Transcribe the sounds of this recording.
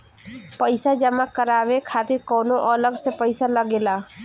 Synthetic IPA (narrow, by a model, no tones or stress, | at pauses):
pəɪsad͡ʒəmakəɾabekʰat̪iɾkɔːnoʔələɡsepəɪsaləɡela